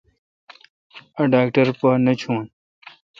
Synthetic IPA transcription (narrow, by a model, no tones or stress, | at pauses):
ɐɖaːkʈɐɾpɐnɐt͡ɕʰuːn